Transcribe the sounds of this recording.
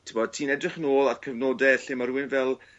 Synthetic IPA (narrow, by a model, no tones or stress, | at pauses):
tʰɪbɔd̥tʰiːnɛdrɪχnoːlˠadkʰəvnoːdɛɬɪmaɾuːɪnvɛlˠ